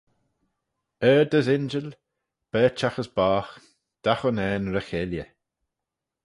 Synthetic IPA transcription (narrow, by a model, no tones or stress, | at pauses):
ɛːd̪əzɪnd͡ʒəl | b̥ɛːt͡ʃaxəsbaːx | d̪̥axʊnɛːnɾəxeljə